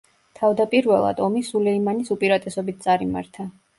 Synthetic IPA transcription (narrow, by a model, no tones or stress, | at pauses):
t̪ʰavd̪apʼiɾvɛlˠa̰d̪ɔmisulɛimanisupʼiɾat̪ʼɛsɔbit̪̚t̪sʼaɾima̰ɾt̪ʰa